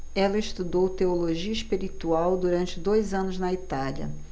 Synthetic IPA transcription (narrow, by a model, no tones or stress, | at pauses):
ɛlɐɪʃt̪ud̪owt̪eoloʒiɐiʃpiɾit̪uawd̪uɾɐ̃nt͡ʃɪd̪ojzɐ̃nʊznɐit̪alɐ̰